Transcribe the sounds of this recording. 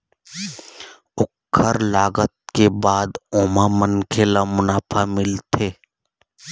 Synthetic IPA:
ʊkʰːəɾlaːɡət̪̚kebaːd̪oːmamənkʰeːlamʊnaːpʰamɪlt̪ʰeː

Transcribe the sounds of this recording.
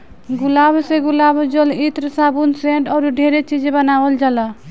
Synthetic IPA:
ɡulabseɡulabd͡ʒɔlit̪ɾsabunseɳʈɔɾuɖʱeɾet͡ʃid͡ʒbənabəld͡ʒalɔ

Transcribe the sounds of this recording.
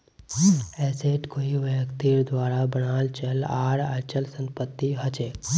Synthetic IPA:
ɛːseːʈkoːiʋjəkt̪iɾd̪ʋaːɾabəñaːlt͡ʃəlaːɽat͡ʃəlsə̃mpət̪ːiɦət͡ʃeː

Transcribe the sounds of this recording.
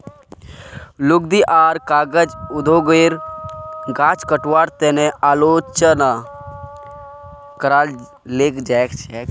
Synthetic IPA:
lʊɡ̚d̪iʔaːɾkaːɡəd͡ʒʊd̪ʱoɡeɾ | ɡãːt͡ʃkəʈwaːɾt̪eneaːloːt͡ʃəna | kəɾaːl | leːkd͡ʒaekt͡ʃʰɛk

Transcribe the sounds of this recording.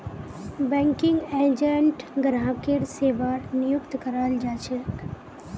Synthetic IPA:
bɛ̃ːŋkɪŋɡeːd͡ʒeɳʈɡɾãːkeɾseːʋaːɾnɪjʊkt̪kəɾaːld͡ʒaːt͡ʃʰe

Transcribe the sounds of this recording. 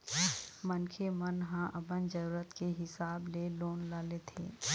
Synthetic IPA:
mənkʰemɐnɦãʔɐbənd͡ʒəɾuːɾət̪keɦɪsaːbleloːnlaːlet̪ʰḛː

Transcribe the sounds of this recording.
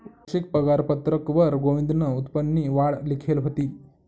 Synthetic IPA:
ʃik̚pəɡaɾpət̪ɾəkʋəɾɡoʋĩnd̪nəut̪pənːiʋaɽlikʰelɦot̪iː

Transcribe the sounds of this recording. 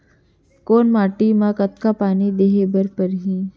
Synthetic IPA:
koːnmaːʈimãkɐt̪kapaːnid̪eːɦebɐɾpəɾɦĩː

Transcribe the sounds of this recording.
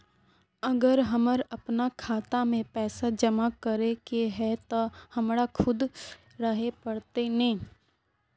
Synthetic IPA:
ɐɡəɾɦɐməɾɐpnakʰaːt̪amẽpɛːsad͡ʒɐmakɐɾekeɦɛt̪ohɐmɾakʰʊd̪ | ɾəɦepɐɽt̪enẽː

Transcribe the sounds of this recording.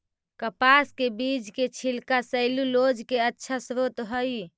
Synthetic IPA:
kəpaskebid͡ʒket͡ʃʰilkasəɪlulod͡ʒkeətːʃʰasɾot̪ɦəj

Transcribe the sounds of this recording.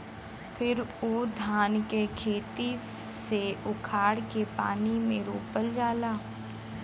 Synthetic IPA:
pʰɪɾoːd̪ʱaːnkekʰeːt̪i | seʊkʰaːɽkepa̰ːnimẽɾoːpəld͡ʒaːlaː

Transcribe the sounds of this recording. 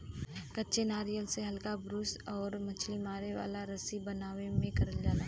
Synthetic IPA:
kɐtːʃenaːɾijəlseɦɐlkabɾʊsɔːɾmɐt͡ʃʰlimaːɾeʋa̰ːlaɾɐsibɐnaːʋemẽkɐɾəld͡ʒaːlaːɦ

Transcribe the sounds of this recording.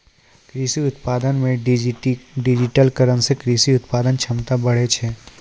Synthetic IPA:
kɾiːsiʊt̪paːd̪ənmẽ | ɖɪd͡ʒɪʈəlkəɾənsekɾiːsiʊt̪paːd̪ənt͡ʃʰɐmt̪abɐɽ̤et͡ʃʰɛː

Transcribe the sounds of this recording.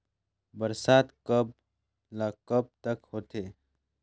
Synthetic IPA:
bəɾsaːt̪kəb | lakəb̚t̪əkhoːt̪eː

